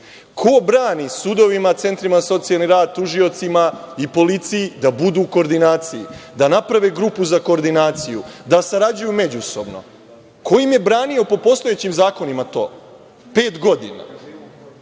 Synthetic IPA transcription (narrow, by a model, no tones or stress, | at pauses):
kʰo̞bɾaːnisud̪o̞ʋimat̪se̞nt̪ɾimaaso̞t̪sijalniɾaːd̪̚t̪uʒio̞t̪simaipo̞lit̪sijid̪abud̪uko̞ːɾd̪inaːt̪sijid̪anapɾaʋeɡɾupuzako̞ːɾd̪inaːt̪sijud̪asaɾad͡ʑujume̞d͡ʑuso̞bno̞̰ | ko̞jimje̞bɾaːnio̞po̞po̞st̪o̞jet͡ɕimzaːko̞nimat̪o̞̰ː | pe̞ːt̪ɡo̞d̪ḭna̰